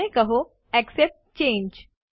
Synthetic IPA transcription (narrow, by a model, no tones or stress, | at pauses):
ẽkəɦo | ɛksep̚ʈt͡ɕẽːɲd͡ʑ